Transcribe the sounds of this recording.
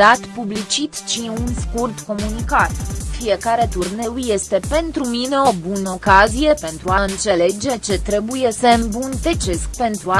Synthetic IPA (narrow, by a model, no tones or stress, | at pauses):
at̪publit͡ʃit̪t͡ʃiunskurt̪ko̞munikat̪fije̞kaɾe̞t̪urne̞wje̞st̪e̞pe̞nt̪ɾumine̞o̞bunəo̞kazije̞pe̞nt̪ɾuaɨnt̪se̞le̞d͡ʒe̞t͡ʃe̞t̪ɾe̞buje̞səɨmbunt̪et͡ʃe̞sk̚pe̞nt̪ɾua